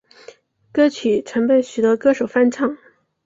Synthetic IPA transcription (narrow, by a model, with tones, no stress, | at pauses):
kɤ˥t͡ɕʰy˨˩˦ʈ͡ʂʰɤ˧˥ŋpə˨˩nɕy˨˩t̪ɤ˧˥kɤ˥ʂo˨˩ʊfa˥nʈ͡ʂʰɑ˥˩ŋ